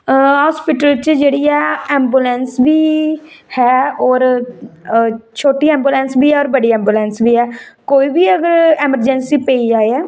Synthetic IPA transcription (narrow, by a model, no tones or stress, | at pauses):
ɦɔːspɪʈəlt͡ʃd͡ʒeːɽiːɛːɛːmbuːlɛnsbiːhɛːɔːɾ | t͡ʃʰoːʈiːɛ̃ːmbjuːlɛ̃ːnsbiːɛːɔːɾbəɖiːɛ̃ːmbjuːlɛ̃ːnsbiːɛːkoːiːbiːəɡəɾɛːməɾd͡ʒɛnsiːpeːiːd͡ʒaːeɛː